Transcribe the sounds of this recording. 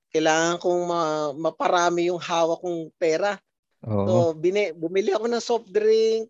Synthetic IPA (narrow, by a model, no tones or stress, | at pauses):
kɐjlaːŋɐŋkoŋmɐmɐpɐɾaːmɪjʊŋhaːwɐkːʊŋpɛːɾɐ | osobɪnɛbʊmɪlɪɐko̞nɐŋsop̚d̪ɾiŋk̚